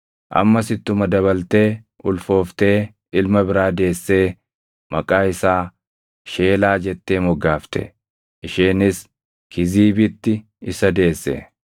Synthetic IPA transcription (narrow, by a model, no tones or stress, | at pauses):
ʔɐ̰mːɐsɪt̪ːʊmɐd̪ɐβɐlt̪e̞ː | ʔʊlfo̞ːft̪e̞ː | ɪlmɐbɪɾaːd̪e̞ːsːe̞ː | mɐkʼaːɪsaː | ʃe̞ːlaːd͡ʒɛt̪ːe̞ːmɔɡaːft̪ɛ̰ | ʔɪʃeːnɪs | kʰɪziːbɪt̪ːɪ | ɪsɐd̪e̞ːsːɛ̰